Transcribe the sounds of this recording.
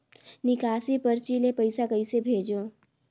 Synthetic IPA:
nɪkaːsipəɾt͡ʃiːlepəɪsakəisebʱeːd͡ʒõ

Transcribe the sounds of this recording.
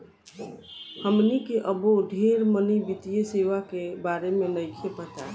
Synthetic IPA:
həmnikeʔəboɖʱeɾmənibit̪ijəseʋakebaɾemenəɪkʰepət̪a

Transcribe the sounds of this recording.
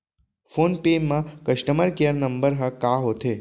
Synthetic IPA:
fonpemːãkəʃʈəməɾkeəɾnəmbəɾɦə̃kaɦot̪ʰe

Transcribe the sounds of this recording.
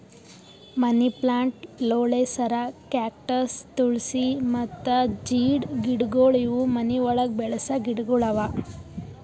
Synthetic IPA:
mɐniplaːɳʈloːɭesɐɾɐkjaːk̚ʈɐɾst̪uɭsimɐt̪ːɐd͡ʒiːɖɡiɽɡoːɭiʋumɐniʋɔɭɐɡ̚bɛɭɐsɐɡiɽɡuɭɐʋa

